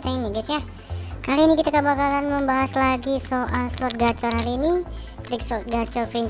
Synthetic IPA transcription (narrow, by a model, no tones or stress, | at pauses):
t̪ainibiasja | kaliːnikit̪akəbakalanməmbaɦaslaɡisoʔalslɔt̪̚ɡat͡ʃɔrɦaliːni | t̪ɾɪk̚slɔt̪̚ɡat͡ʃɔrpɾin